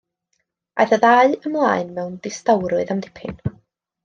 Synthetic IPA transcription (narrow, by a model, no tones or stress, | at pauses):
a̰jθaðaɨəmlˠaːɨnmɛwnd̥ɪstawɾʊɨðamdɪ̥pʰɪ̰n